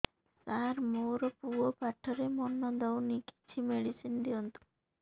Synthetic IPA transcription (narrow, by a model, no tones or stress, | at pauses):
kaɾmoːɾɔpuɔpaʈʰːɔɾemɔnːɔd̪ɔwniki̥t͡ʃʰimeɽisind̪eont̪u̥